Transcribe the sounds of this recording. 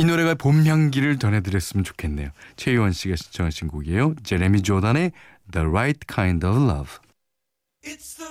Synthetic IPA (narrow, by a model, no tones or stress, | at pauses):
inoɾe̞ɡapomɦjʌŋɡiɾɯɭt͡ɕʌnɦe̞dɯɾjʌs͈ɯmjʌnt͡ɕo̥kʰe̞nːe̞̰jot͡ɕʰe̞uwʌnɕ͈ʰiɡaɕʰi̥nt͡ɕʰʌŋɦaɭɕʰinɡoɡie̞jot͡ɕe̞ɾe̞mid͡ʑodane̞ | ðəɾajt̚kʰajndʌblʌ̰b